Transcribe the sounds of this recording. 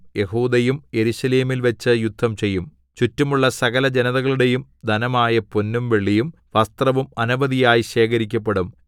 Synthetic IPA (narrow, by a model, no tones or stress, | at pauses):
je̞huːd̪ɐjumje̞ɾuɕɐle̞ːmilʋɐt͡ɕːɨjud̪ʱːɐmt͡ɕe̞jːum | t͡ɕutːumuɭːɐsɐɣɐlɐd͡ʑe̞nɐðɐɣɐɭuɽe̞jumd̪ʱɐnɐmaːjɐponːumʋe̞ɭːijum | ʋɐst̪rɐʋumɐnubɐðijaːjiɕe̞ːkɐɾikʲːɐp̬ːeɽum